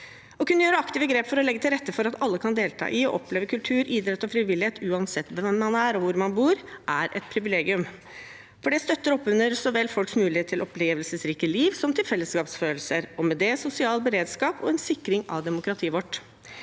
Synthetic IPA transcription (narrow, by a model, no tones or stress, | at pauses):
ɔkʰʉnːəjøːɾəɑkt̪iːʋəɡɾeːpfɔɾɔlɛɡːət̪ʰɪlɾɛt̪ːəfɔɾɑt̪ɑlːəkʰɑnd̪eːlt̪ʰɑ̰ːʔɪɔ̰ʔɔpleːʋəkʰʉlt̪ʰʉːɾid̪ɾɛt̪ːɔfɾɪʋɪlːɪheːt̪ʉːɑnsɛt̪ːʋɛmːɑnæɾɔʋʊɾmɑnbuːɾʔæɾʔɛ̰t̪pʰɾɪʋɪleːɡɪʉm | fɔɖɛst̪œt̪ːəɾɔpːʉnəɾsɔʋɛlfɔlksmʉːlɪheːt̪ʰːɪlʔɔpʰleːʋəlsəsɾiːkəliːʋsɔmt̪ʰɪlfɛlːəskɑːpsføːlsəɾɔmɛd̪ɛsʊsɪɑːlbəɾeːd̪skɑːpɔ̰ɛnsɪkːɾɪŋɑ̰ʋd̪ɛmʊkɾɑt̪ʰiːʋɔʈː